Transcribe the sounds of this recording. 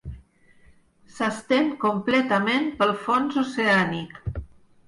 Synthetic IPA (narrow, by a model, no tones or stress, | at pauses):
səst̪eŋkumplɛt̪əmempəlˠfonzoseanik